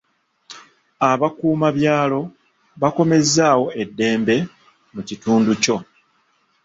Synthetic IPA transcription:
aβakuːmaβjaːlo̞ | βako̞me̞zːaːwo̞e̞dːe̞ːmbe̞ | mucituːnduco̞

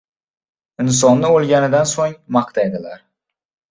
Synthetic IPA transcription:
ɪns̬ɒnlɪolˠɡʲanɪd̪ansoŋmɑqt̪ʰajd̪ɪla̰ɾ

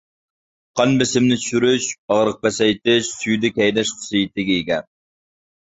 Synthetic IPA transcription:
qʰɑnbɪsɪmnɪt͡ʃʰy̥ʃyɾyʃɑʁɾəq̚pɛsɛjt̪ɪʃsyjd̪ɪkʲɛjd̪ɛʃχʊ̥sɨjit̪ɪɡʲɛiɡʲɛn

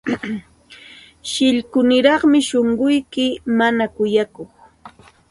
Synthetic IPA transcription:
ʃɪʎkʊnɪɾɑχmɪʃoɴɢʊjkɪmanakʊjakoχ

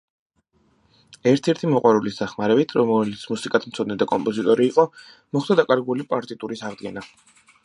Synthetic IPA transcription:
ɛɾt̪ʰɛɾt̪ʰimɔqʼwaɾulisd̪aχmaɾɛbit̪ʰɾɔmlit̪sʰmusikʼat̪ʰm̩t̪sʰɔd̪nɛd̪akʼɔmpʼɔzit̪ʼɔɾiːqʼɔ | mɔχd̪ad̪akʼaɾɡulipʼaɾt̪ʼit̪ʼuɾisaʁd̪ɡɛna

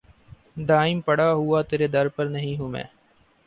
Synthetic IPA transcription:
d̪aːɪmpəɽaːɦʊaːt̪eːɾeːd̪əɾpəɾnəɦĩːɦũːmɛ̰̃ː

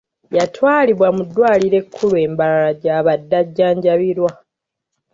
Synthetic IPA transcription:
jatwaːliβwamudːwaːliɾe̞kʰːulue̞ːmbalaɾaɟaːβadːaɟːaːɲɟaβiɾwa

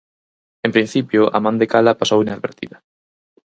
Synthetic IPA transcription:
ẽmpɾĩn̟θipjʊʔa̰mãnd̪ekalapasowinaðβeɾt̪ḭða

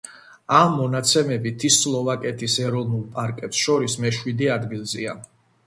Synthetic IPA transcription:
amːɔnat̪sʰɛmɛbit̪ʰislˠɔvakʼɛt̪ʰisɛɾɔvnulˠpʼaɾkʼɛpsʃɔɾismɛʃwid̪iad̪ɡilˠzḭa̰

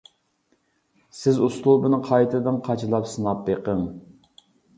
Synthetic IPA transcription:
sɪzuslˠubɨnɨqʰɑjt̪ʰɨd̪ɨnqʰɑt͡ʃʰɨlˠɑpsɨnɑp̚beqəŋ

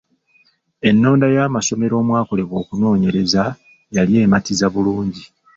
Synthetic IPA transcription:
e̞nːo̞ːndajaːmaso̞me̞ɾo̞ːmwaːko̞le̞βwo̞ːkuno̞ːɲe̞ɾe̞za | jalje̞ːmatizaβuluːɲɟi

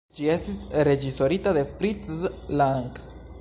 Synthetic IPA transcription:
d͡ʒie̞stisɾe̞d͡ʒiso̞ɾitaðe̞fɾit͡slaŋks

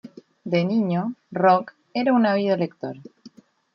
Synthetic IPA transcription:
d̪enĩɲorok | eɾaunaβ̞iðoelek̚t̪oɾ

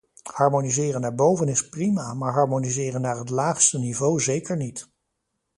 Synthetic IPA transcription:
hɑɹmonizɪːrənːaːɹbowvənɪsprimamaːɹɦɑɹmonizɪːrənːaːɹɦətlaːχstənivowzejkəɹnit

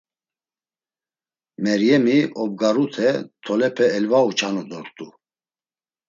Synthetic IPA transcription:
mɛɾjɛmiʔɔb̚ɡaɾut̪ʰɛt̪ʰɔlɛpʰɛːlvaut͡ʃʰanɔd̪ɔɾt̪ʼu

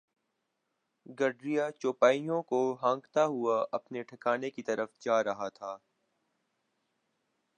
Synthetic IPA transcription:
ɡɐɖɾijat͡ʃoːpaːijõkoɦãːŋɡt̪aɦʊaʔɐpneʈʰɐkaːnekit̪ɐɾəfd͡ʒaːɾɐɦat̪ʰaː

